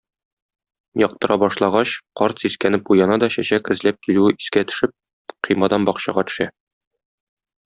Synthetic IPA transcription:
jɒq̚t̪ɤ̆ɾʔɑbɒʃlˠɑʁɑɕqɒɾt̪siskænɘp̚ujɑnɑd̪ɒɕæɕækɘ̆zlæp̚kilʉɘʔiskæt̪ɵ̥̆ʃɘp̚ | qʰijmɑd̪ɑnbɒqɕɑ̰ʁɑt̪ɵ̥̆ʃæ

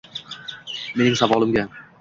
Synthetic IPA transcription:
me̞nɪŋsavɒlˠɪmɡʲa

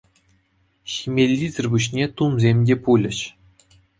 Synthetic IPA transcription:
ɕimʲelʲːizʲɘ̆rʲbuɕnʲet̪umzʲemʲdʲepulʲɘ̆ɕ

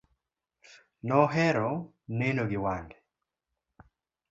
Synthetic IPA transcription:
nɔɦɛɾɔ | nenoɡiwandɛ

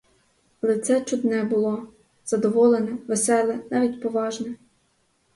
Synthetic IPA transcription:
ɐlˠɛt̪sɛt͡ʃʊd̪nɛbʊlˠɔ | z̥ɐd̪ɔʋɔlˠenɛʋesɛlˠɛnɑʋʲitʲpɔʋɑʒnɛ

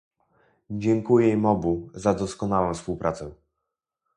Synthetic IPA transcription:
d͡ʑɛŋkujɛmɔbuzad̪ɔskɔnawɛ̃w̃fspuwpɾʔat̪sɛ

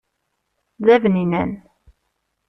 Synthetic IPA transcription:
ðævninæn

